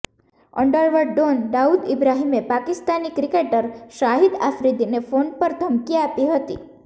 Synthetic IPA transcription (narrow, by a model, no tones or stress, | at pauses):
ə̰ɳɖəɾʋəɖːonɖ̪aud̪ɪbɾaɦimepakɪst̪anikɾikeʈəɾʃaɦid̪afɾid̪inefoɳpəɾd̪ʱəmkiapiɦət̪ḭ